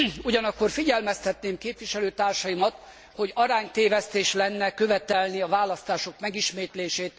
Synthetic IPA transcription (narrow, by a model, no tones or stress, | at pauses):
uɟɒnɒkːo̞rfiɟɛlmɛst̪ɛt̪neːmkeːpvʋiʃɛløːt̪aːrʃɒjimɒt̪ | ho̞ɟɒɾaːɲt̪eːvɛst̪eːʃlɛnːɛkøvɛt̪ɛlniɒvaːlɒst̪aːʃo̞kmɛɡiʃmeːt̪leːʃeːt̪